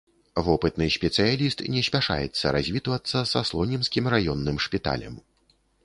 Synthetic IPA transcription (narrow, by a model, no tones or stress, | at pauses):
vɔpɨt̪nɨsʲpʲɛt̪sɨjalʲist̪nʲɛsʲpʲaʂa̰jɛ̰t̪sːɐɾazʲvʲit̪uvɐt̪sːɐsaslˠɔnʲinskʲimrajɔnːɨmʂpʲit̪a̰lʲɐ̰m